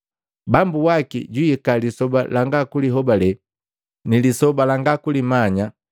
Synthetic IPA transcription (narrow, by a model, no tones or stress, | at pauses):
bambuwakḭɟwiikalisɔba̰laŋɡakuliɦɔbalɛ | nilisɔbalaŋɡakulimaɲa